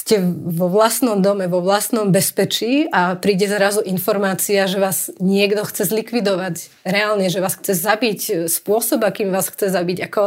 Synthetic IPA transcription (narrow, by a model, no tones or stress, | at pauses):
scɛʋɔʋlasnɔmd̪ɔmɛʋɔʋlasnɔmbɛspɛt͡ʃiːapɾiːɟɛzɾazuʔinfɔɾmaːt͡siaʒɛʋaːz̥ɲɪɛɡd̪ɔxt͡sɛzlikʋid̪ɔʋaɟ | ɾɛaːlɲɛʒɛʋaːsxt͡sɛzabicspʊɔsɔbakiːmʋaːsxt͡sɛzabiɟakɔ